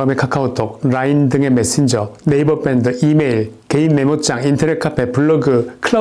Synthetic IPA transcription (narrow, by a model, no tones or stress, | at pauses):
ɯmekʰakʰaotʰok̚ɾaindɯŋe̞mes͈ind͡ʑʌneibʌp͈endɯimeiɭke̞inːemot͡ɕ͈aŋintʰʌɾekʰapʰepuɭːʌɡɯkʰɯɭ